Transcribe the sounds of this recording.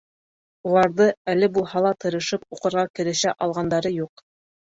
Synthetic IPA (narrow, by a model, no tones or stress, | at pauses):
ulˠɑɾðɤælɘ̆buhɑlˠɑt̪ɤ̆ɾɤ̆ʃɤpuqɤ̆ɾʁɑkɘ̆ɾɘ̆ʃæʔɑlˠʁɑnd̪ɑɾɤjuq